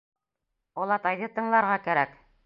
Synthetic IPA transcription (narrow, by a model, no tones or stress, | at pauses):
ɒlˠɑt̪ɑjðɤt̪ɤ̆ɴlˠɑɾʁɑkæɾæk